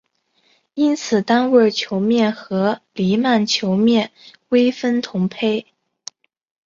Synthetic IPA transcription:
i˥nt͡sʰɹ̩˨˩t̪a˥nwə˥˩t͡ɕʰjo˧˥ʊmjɛ˥˩nxɤ˧˥li˧˥ma˥˩nt͡ɕʰjo˧˥ʊmjɛ˥˩nwe˥ɪfə˥nt̪ʰʊ˧˥ŋpʰe˥ɪ

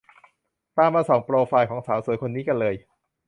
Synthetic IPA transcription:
t̪aː˧mːaː˧sɔː˨˩˦ŋpɾoː˧faː˧jkʰɔː˩˦ŋsaː˩˦wsuː˨˩˦jkʰo˧nːiː˦˥ka˧nlɤː˧j

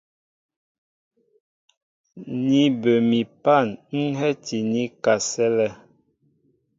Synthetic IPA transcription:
ni˨bə˨mi˨pa˦˨nŋ̩˦ɦɛ˦ti˨ni˦ka˨sɛ˦lɛ˦

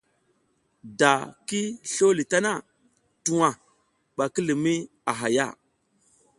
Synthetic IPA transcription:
da˨ki˦ɬo˦li˨ta˦na˦˨ | tu˨wa˨ | ɓa˨ki˦li˨mi˦ | a˨ɦa˨ja̰˦˨

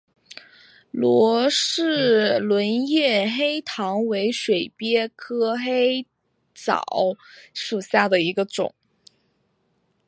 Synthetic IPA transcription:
lwɔ˧˥ʂɻ̩˥˩lwə˧˥njɛ˥˩xe˥ɪt̪ʰɑ˧˥ŋwe˧˥ɪʂwe˨˩ɪpjɛ˥kʰɤ˥xe˥ɪ | t͡sɑ̰˨˩˦ʊʂu˨˩ɕja˥˩d̪ə˩i˧˥ɡə˧ʈ͡ʂʊ̰˨˩˦ŋ

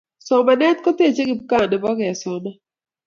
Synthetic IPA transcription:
sɔ˨ma˨nɛ˦t̪kɔ˦te˦˨t͡ʃe˦ɡɪ˦b̚ka˦˨nɛ˨bɔ˦ɡɛ˨sɔ˨na˦

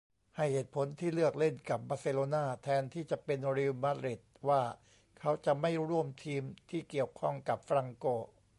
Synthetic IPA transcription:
ha˥˩jheː˨˩t̪̚pʰo˩˦nt̪ʰiː˥˩lɯ˥˩ək̚le˥˩nka˨˩p̚baː˧se˧loː˧naː˥˩t̪ʰɛː˧nt̪ʰiː˥˩t͡ɕa˨˩pe˧nɾi˧wma˦˥t̪ɾi˨˩t̪̚waː˥˩ | kʰa˦˥wt͡ɕa˨˩ʔma˥˩jɾu˥˩əmt̪ʰiː˧mt̪ʰiː˥˩ki˨˩əwkʰɔ˥˩ŋka˨˩p̚fɾa˧ŋkoː˧˩

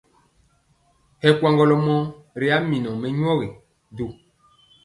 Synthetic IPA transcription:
hɛ˨kwã˦ŋɡɔ˨lɔ˨mɔ̃˦ɾe˦a˨˦mĩ˨nɔ̃˨mɛ˨ɲ˦ɔ˦ɣe˨ | do˨

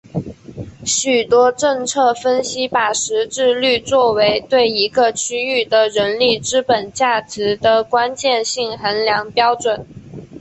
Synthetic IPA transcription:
ɕy˨˩t̪wɔ˥ʈ͡ʂɤ˥˧ŋt͡sʰɤ˥˩fə˥nɕi˥pa˨˩ʂɻ̩˧˥ʈ͡ʂɻ̩˥˧ly˥˧t͡swɔ˥˩we˧˥ɪt̪we˥˩ɪi˧˥ɡə˧t͡ɕʰy˥y˥˩d̪ə˩ɻə˧˥nli˥˩ʈ͡ʂɻ̩˥pə˨˩nt͡ɕja˥˩ʈ͡ʂɻ̩˧˥d̪ə˧kwa˥nt͡ɕjɛ˥˧nɕi˥˩ŋxə˧˥nljɑ˧˥ŋpjɑ˥ʊʈ͡ʂwə˨˩˦n

